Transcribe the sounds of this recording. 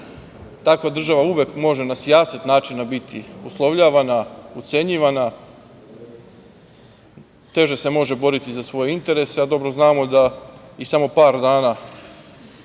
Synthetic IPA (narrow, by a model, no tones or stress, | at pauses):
t̪akʋad̪r̩ʒaʋauʋjekmo̞ʒe̞nasjaːsit̪naːt͡ʃinabit̪iuslˠoʋʎaːʋanaut̪se̞ɲiːʋana | t̪e̞ʒe̞se̞mo̞ʒe̞bo̞ɾit̪izasʋo̞jeint̪e̞ɾe̞sead̪o̞bɾo̞znaːmo̞d̪aisamo̞paːɾd̪aːna